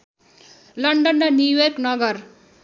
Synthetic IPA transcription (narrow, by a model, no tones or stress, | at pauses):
lʌɳɖʌnːʌnjujʌrknʌɡʌr